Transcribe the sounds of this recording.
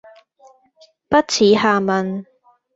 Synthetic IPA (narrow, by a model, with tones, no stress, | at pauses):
pɐ˥t̚t͡sʰiː˨˥haː˨˩mɐ˨˧n